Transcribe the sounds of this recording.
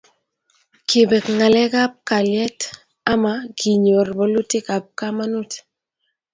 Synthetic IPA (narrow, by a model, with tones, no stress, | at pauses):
ki˨bɛ˨kŋa˨lɛ˦ɡa˦p̚ka˨ljɛ˦t | a˦ma˦ɡi˨ɲo˨rbɔ˨lu˦tɪ˦ka˨p̚ka˦ma˦nu˦t